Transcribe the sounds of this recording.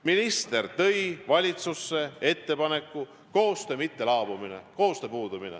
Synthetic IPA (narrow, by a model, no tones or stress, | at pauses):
minist̪e̞rt̪ɤ̞jvɑlʲit̪susːe̞e̞t̪ːe̞pɑne̞kːˑu | ko̞ːst̪emit̪ːe̞lɑːb̥uminḛko̞ːst̪epuːd̪̥uminḛ